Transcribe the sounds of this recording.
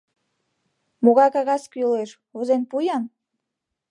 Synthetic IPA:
moɣɑjkɑɣɑskyleʃ | uzenpujɑn

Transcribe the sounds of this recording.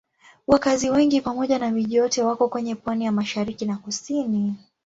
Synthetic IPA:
wakaziwɛŋɡipamɔʄanamiʄijɔtɛwakɔkwɛɲɛpwanijamaʃaɾikinakusini

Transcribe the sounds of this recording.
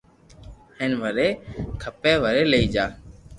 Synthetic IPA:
heːnʋəɾeːkʰəpeːʋəɾeːləiːd͡ʒaː

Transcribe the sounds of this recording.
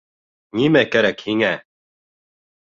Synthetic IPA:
nʲimækæɾækhiŋæ

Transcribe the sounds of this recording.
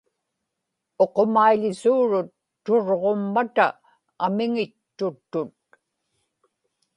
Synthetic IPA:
o̞qomaiʎɪsuːɻʊt̪ːoɻʁomːat̪aː | mɪŋɪt̪ːʊt̪ːʊt̪̚

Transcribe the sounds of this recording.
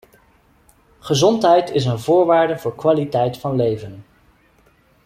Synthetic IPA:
χəzɔntɦɛjtɪs̬ənvʊːɹʋaːɹdəvʊːɹkʋaːlitɛjtfɑnlejvən

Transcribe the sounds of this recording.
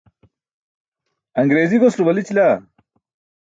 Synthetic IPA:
ɐŋɡɾeːziɡosɾubɐlit͡ɕila

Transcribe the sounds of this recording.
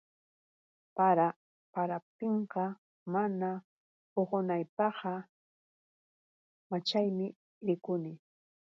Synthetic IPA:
paɾa | paɾap̚t̪ɪɴqɑ | mana | oɢonajpɑqɑ | mat͡ʃajmɪ | ɾɪkʊnɪ

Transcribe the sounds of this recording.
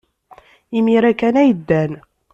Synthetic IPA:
imiɾækænæjəd̪ːæn

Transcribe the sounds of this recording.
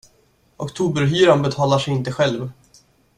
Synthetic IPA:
ʔɔkt̪ʰuːbəɾɦyːɾanbɛt̪ʰɑːlaʂɛjɪnt̪əɧɛlv

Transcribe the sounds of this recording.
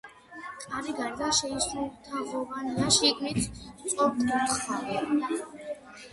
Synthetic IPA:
kʼaɾiɡanɡ̪aʃɛisɾulˠt̪ʰaʁɔvanaʃikʼnit̪ʰt̪sʼɔp̚d̪ut̪ʰχaɾɛ

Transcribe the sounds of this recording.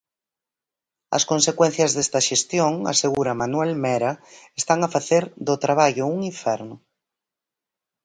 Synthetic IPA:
ɐ̰skonsekwɛ̃n̟θjɐzðest̪ɐʃest̪joŋa̰seɣuɾɐmanwɛlmɛɾɐest̪aŋafaθeɾðot̪ɾaβaʎʊuŋiɱfɛɾnʊ

